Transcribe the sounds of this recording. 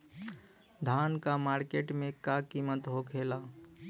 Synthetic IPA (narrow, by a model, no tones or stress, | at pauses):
d̪ʱankamaɾkeʈmekakimːət̪ɦokʰela